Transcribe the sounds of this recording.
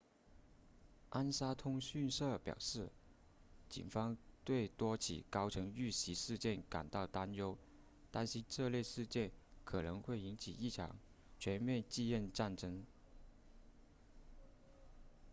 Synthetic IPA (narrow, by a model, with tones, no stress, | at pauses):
ʔa˥nsa˥t̪ʰʊ˥ŋɕy˥˧nʂɤ˥˩pjɑ̰˨˩ʊʂɻ̩˥˩ | t͡ɕḭ˨˩nfɑ˥ŋt̪we˥˩ɪt̪wɔ˥t͡ɕʰḭ˨˩kɑ˥ʊʈ͡ʂʰɤ˧˥ŋy˥˩ɕi˧˥ʂɻ̩˥˧t͡ɕjɛ˥˩nka̰˨˩nt̪ɑ˥˩ʊt̪a˥njo˥ʊ | t̪a˥˧nɕi˥ʈ͡ʂɤ˥˧ljɛ˥˧ʂɻ̩˥˧t͡ɕjɛ˥˩nkʰɤ˨˩nɤ˧˥ŋxwe˥˩ɪi˧˥nt͡ɕʰḭ˨˩i˥˩ʈ͡ʂʰɑ̰˧˥ŋ | t͡ɕʰɥɛ˧˥nmjɛ˥˧nt͡ɕi˥˧jɛ˥˧nʈ͡ʂa˥˩nʈ͡ʂɤ˥ŋ